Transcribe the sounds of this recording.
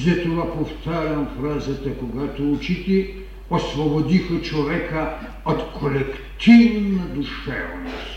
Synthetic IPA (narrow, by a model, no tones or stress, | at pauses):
zɐt̪ovapoft̪aɾʲɐmfɾazɐt̪ɐkoɡat̪out͡ʃit̪i | osvobod̪ixɐt͡ʃovɛkə | ot̪kʰolɛk | t̪ʰivnɐd̪uʃɛvnos